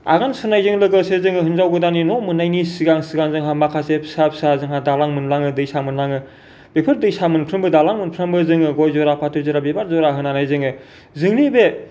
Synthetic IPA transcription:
a̰ɡansɯnajzɯŋlɯɡɯsezɯŋɯɦɯnzawɡɯdaninɔmɯnːajnisiɡaŋsɯɡaŋzɯŋɦamakʰasepsap̚sazɯŋɦadalaŋmɯnlaŋɯdɯjsamɯnlaŋɯ | b̥epʰɯɾdɯjsamɯnpʰɾɯmbɯdalaŋmɯnpʰɾambɯzɯŋɯɡojzɔɾapʰatʰɯzɔɾabebaɾzɔɾaɦɯnanajzɯŋɯ | zɯŋnibe

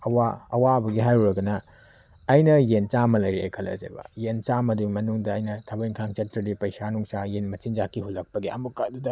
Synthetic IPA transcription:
ɐwaɐwabɐɡiɦajɾuɾɐɡɐnɐː | jnɐjent͡ʃamɐlɐjɾiɐ̰jkʰɐlɐ̰zḛbɐ̰jent͡ʃamɐdumɐnuŋdɐːjnɐtʰɐbɐjŋkʰaŋt͡ʃɐtɾidipɐjsanuŋsajenmɐt͡ʃind͡ʒakːihulːɐk̚pɐɡiɐ̰mukadudɐ

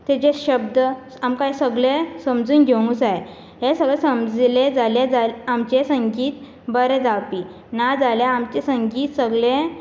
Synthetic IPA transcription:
t̪et͡ɕeɕəbd̪ə | amkajsəɡɭesəmd͡zuːnɡʱew̃ŋɡusae | ɦesəɡɭesəmd͡zled͡zaljad͡zaamt͡ɕesəŋɡiːt̪ | bəɾẽd͡zapi | nad͡zaljaːmt͡ɕesəŋɡiːt̪səɡɭẽ

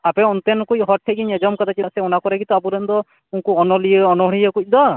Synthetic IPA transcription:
apɛɔnt̪ɛnkuc̚ɦɔʈ̚ʈʰːɛɡiɲɛd͡ʒɔmkad̪at͡ʃiaʔsɛɔnakɔɾɛɡit̪ɔabuɾɛnd̪ɔ | unkuɔnɔlijəɔnɔɦɔɽijəkuc̚d̪ɔ

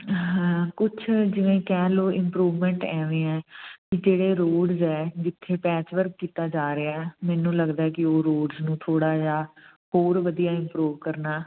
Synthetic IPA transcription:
ɦɛ̃kʊt͡ʃʰd͡ʒɪʋẽːkɛːloːɪmpɾuːʋmɛ̃ːɳʈɛːʋẽːɛːkɪd͡ʒeːɽeːɾoːɖzɛːd͡ʒɪt̪ʰːeːpɛːt͡ʃʋəɾkːiːt̪aːd͡ʒaːɾeaːɛːmɛːnũːləɡd̪aːɛːkɪoːɾoːɖznũːt̪ʰoːɽaːd͡ʒaːɦoːɾʋəd̪ijaːɪ̃mpɾuːʋkəɾnaː

